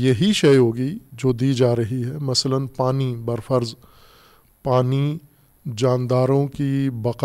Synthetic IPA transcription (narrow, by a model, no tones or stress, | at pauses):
jɐɦiʃɐjɦoːɡid͡ʒoːd̪iːd͡ʒaːɾɐɦiɦɛmɐslənpaːnibɐɾfəɾz | paːni | d͡ʒaːnd̪aːɾõkibɐq